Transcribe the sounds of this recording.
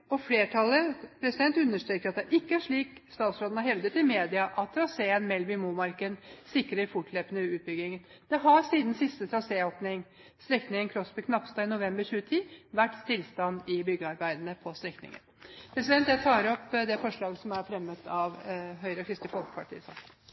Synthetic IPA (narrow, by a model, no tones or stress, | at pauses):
ɔfleːʈʰɑlːəpʰɾɛsɪd̪ɛnt̪ʉnːəʂʈɾeːkəɾɑt̪̚d̪ɛʔɪkːəæʂɭiːkst̪ɑːt̪sɾɑːd̪ənəhɛʋd̪ət̪ːɪlmeːd̪ɪɑʔɑt̪ʰːɾɑseːənmɛlmɪmuːmɑɾkənsɪkɾəɾfʊʈleːpənəʉːt̪̚bʏɡɪŋən | d̪̥ɛɦɑɾsiːd̪n̩sɪst̪ət̪ʰɾɑseːoːpnɪŋ | st̪ɾɛknɪŋənkʰɾɔspɔkʰnɑpst̪ɑːɪnʊʋɛmbəɾçʉːət̪ʰiːʋæʈːst̪ɪlst̪ɑnd̪ɪbʏɡəɑɾbæɪd̪ənəpʰɔst̪ɾɛknɪ̰ŋə̰npʰɾɛsɪd̪ɛnt̪j̪æt̪ʰɑːɾɔpːd̪ɛfɔʂɭɑːɡəsɔmæɾfɾɛmːət̪ʰɑʋɦœʏɾəɔkʰɾɪst̪əfɔlkə̥pʰɑʈʰḭːəsɑ̰ːk